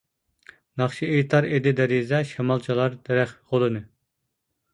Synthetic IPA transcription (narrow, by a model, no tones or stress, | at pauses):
nɑχʃiet̪ʰɑɾed̪ɪd̪ɛɾizɛʃɛmɑlˠt͡ʃʰilˠɑɾd̪ɛɾɛχʁolˠɨnɨ